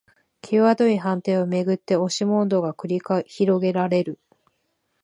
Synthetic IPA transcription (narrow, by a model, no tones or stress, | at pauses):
kʲʰeβad̪o̞iɦãnt̪e̞ome̞ɡɯ̟t̪ːe̞o̞ɕimõ̞nd̪o̞ɡakɯ̟ɾʲiçiɾo̞ɡe̞ɾaɾe̞ɾɯ̟